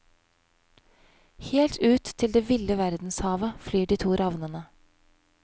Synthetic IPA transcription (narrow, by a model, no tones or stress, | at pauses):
heːlt̪ʰʉːt̪ʰːɪld̪eːʋɪləʋæɾd̪n̩shɑːʋəflyːɖiːt̪ʰuːɾʔɑʋnənə